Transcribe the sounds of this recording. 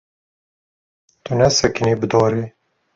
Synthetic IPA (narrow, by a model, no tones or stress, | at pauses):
t̪unɛsɛkiniːbɨd̪ɑːɾiː